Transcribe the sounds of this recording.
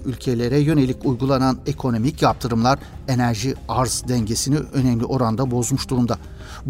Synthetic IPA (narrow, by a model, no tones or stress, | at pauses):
ylʲcʰe̞lʲe̞ɾɛjø̞ne̞lʲicujɡulˠanane̞kʰo̞no̞micjap̚t̪ʰɯɾɯmlˠaɾe̞næɾʒiaɾzd̪ɛɲɟe̞siniø̞nɛmlʲiʔo̞ɾand̪abo̞zmuʃd̪uɾumd̪a | b